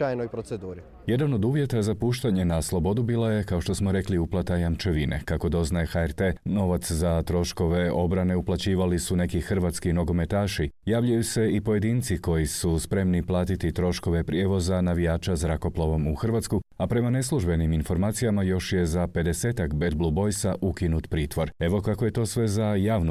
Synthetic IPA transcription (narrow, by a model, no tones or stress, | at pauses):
ajnojpɾot̪sed̪uːɾi | je̞d̪ano̞d̪uːʋje̞t̪azapuːʃt̪aɲe̞naslˠo̞bo̞d̪ubiːlˠaje̞kaoʃt̪o̞smo̞ɾe̞kliuplˠat̪ajamt͡ʃe̞ʋinʔḛkako̞d̪o̞znajexaɛɾt̪e̞no̞ʋat̪szat̪ɾo̞ʃko̞ʋe̞o̞bɾane̞uplˠat͡ɕiːʋalisune̞kixr̩ʋat̪skino̞ɡo̞me̞t̪aːʃijaːʋʎujuse̞ipo̞je̞d̪iːnt̪siko̞jisuspɾe̞mniplˠaːt̪it̪it̪ɾo̞ʃko̞ʋe̞pɾje̞ʋo̞zanaʋijaːt͡ʃazɾako̞plˠoʋo̞muxr̩ʋat̪skuapɾe̞mane̞slˠuʒbe̞niminfo̞ɾmaːt̪sijamajo̞ʃje̞zape̞d̪e̞se̞ːt̪akbelblˠubo̞jsaʔukinut̪pɾiːt̪ʋo̞ɾe̞ʋo̞kakoje̞t̪o̞ːsʋe̞zajaːʋnu